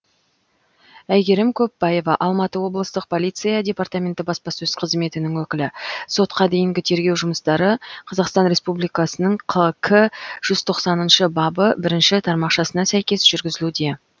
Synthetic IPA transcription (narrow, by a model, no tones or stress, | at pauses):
æjɡʲe̞ɾɪmkʲʰɵpːɑje̞vɑʔɑlˠmɑt̪əwo̞blˠəst̪əq̚pʰo̞lˠijt̪sɨjɑdʲe̞pɑrt̪amʲe̞nt̪ɪbɑspɑsɵz̥qʰəzme̞t̪ɪnɪŋwɵkʲɪlɪso̞t̪qɑd̪e̞jɪŋɡʲɪt̪ʰe̞ɾɡʲewʒʊməst̪ɑɾəqʰɑzɑqst̪ɑnɾʲe̞spublˠijkɑsənəɴqʰəkʰəʒ̥ʏz̥t̪ʰo̞qsɑnənʃəbɑbəbɪɾɪnʃɪt̪ʰɑɾmɑqʃɑsənɑsæjkʲe̞sʒ̥ʏɾɡʲɪzɪlud̪e̞